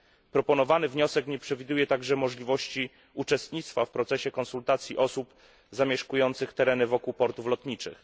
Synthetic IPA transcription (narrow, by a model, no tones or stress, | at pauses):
pɾɔpɔnɔvanɘvɲɔsɛkɲɛpʂɛvʲid̪ujɛt̪aɡʐɛmɔʐlʲivɔɕt͡ɕi | ut͡ʂɛst̪ɲit̪st̪fafpɾɔt̪sɛɕɛkɔnsult̪at̪sʲjiʔɔsup | zamʲjɛʂkujɔnt̪sɘxt̪ɛɾɛnɘvɔkuwpɔɾt̪uflɔt̪ɲit͡ʂɘ̰x